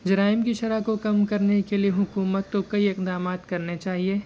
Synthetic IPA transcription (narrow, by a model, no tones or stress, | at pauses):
d͡ʒɐɾaːɪmkiʃɐɾakokɐmkɐɾnekelieɦʊkuːmət̪ːokɐiɪqd̪aːmaːt̪kɐɾnet͡ʃaːɦieː